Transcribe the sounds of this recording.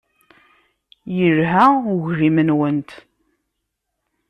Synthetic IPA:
jəɾɦæuʝɾimənwənt̪

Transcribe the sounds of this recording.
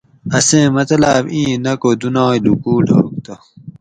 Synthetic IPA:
ɐsẽːmɐt̪laːbĩːnɐkod̪unɑ̃ːjlukuːɖʰʱo̰ːk̚t̪o

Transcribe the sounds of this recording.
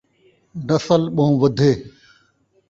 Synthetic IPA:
nəsəlɓə̃ɦũːʋəd̪ʱeː

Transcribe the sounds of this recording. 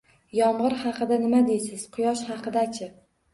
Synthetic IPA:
jɒmʁɨɾhɑqʰɨd̪anɪmad̪ejsɪz̥qʰʊjɒʃχɑqʰɨd̪akʲʰɪ

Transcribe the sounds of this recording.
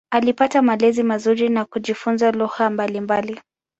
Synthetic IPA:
alipatamalɛzimazuɾinakuʄifunzaluhambalimbali

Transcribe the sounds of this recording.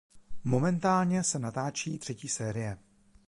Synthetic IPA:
mo̞mɛnt̪aːlɲɛsɛnat̪aːt͡ʃiːt̪r̥ɛciːsɛːɾɪjɛ

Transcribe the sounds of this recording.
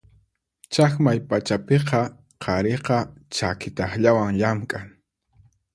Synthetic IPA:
t͡ʃakmajpat͡ʃapeqɑ | qʰɑɾeqɑt͡ʃakɪt̪ɑχʎawaŋʎamkʼaŋ

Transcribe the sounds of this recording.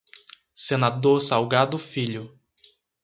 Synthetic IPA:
senad̪oɾsawɡad̪ʊfiʎʊ

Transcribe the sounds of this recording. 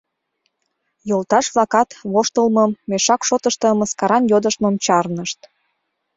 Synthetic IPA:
jolt̪ɑʃβlɑkɑt̪βoʃt̪əlməmːeʃɑkʃot̪əʃt̪ə̆məskɑɾɑnjod̪əʃt̪momt͡ɕɑrnəʃt̪

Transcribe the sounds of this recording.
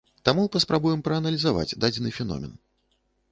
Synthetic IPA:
t̪amupɐspɾabujɛmpɾɐːnɐlʲizava̰d͡zʲd̪ad͡zʲɛnɨfʲɛnɔ̰mʲɛ̰n

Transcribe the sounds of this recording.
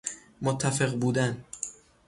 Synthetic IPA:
mot̪ʰːæfeɣbuːd̪æn

